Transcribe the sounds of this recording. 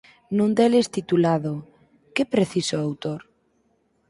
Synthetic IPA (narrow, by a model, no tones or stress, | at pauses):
nũnd̪elest̪it̪ulaðo | kepɾeθisʊawt̪oɾ